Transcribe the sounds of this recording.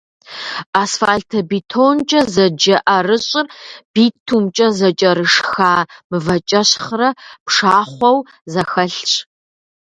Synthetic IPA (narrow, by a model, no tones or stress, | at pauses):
aːsfaːɮtʰɐbitʰont͡ʃʼɐzɐd͡ʒɐʔɐrɨɕʼɪrb̥iːtʰumt͡ʃʼɐzɐt͡ʃʼɐɾɨʂxaːmɨvɐt͡ʃʼɐɕχrɐpʂaːχʷɔw | zɐxɐɬt͡ʃʼ